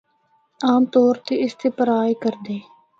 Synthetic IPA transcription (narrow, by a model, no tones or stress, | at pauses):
aːmt̪oːɾt̪eːɪst̪eːpəɾaːiːkəɾd̪eː